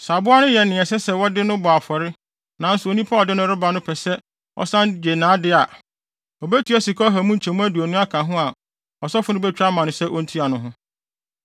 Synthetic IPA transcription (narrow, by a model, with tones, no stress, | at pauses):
sa˨bʊ˦a˦nʊ̃˦jɛ˨nɪ̃˨ɛ˨sɛ˦sɛ˦˨wɔ˦dɪ˦nʊ̃˦bʊ˨a˨fɔ˨ɾɪ˦ | nã˨n̩˦sʊ˨o˨nĩ˦pʰa˦ɔ˨dɪ˦nʊ̃˦ɾʊ˦ba˨nʊ̃˦pʰɛ˨sɛ˦ | ɔ̰˦sã˦nd͡ʑe˨nãː˨˦dɪ˦a˨ | ɔ˨be˦tʰi˨˦ɛ˦si˨kʰɔ˦ɦa˨mũ˦n̩˨t͡ɕʰɛ˨mũ˦æ˦du˨æ˨nũ˦a˦kʰã˨ɦʊ̃˦a˨ | ɔ˨sɔ˦fʊ˦nʊ̃˦bɛ˦t͡ɕᶣɾa˦mã˨nʊ̃˨sɛ˦ʔɔ˦n̩˦tʰi˦a˨nʊ̃˦ɦʊ̃˦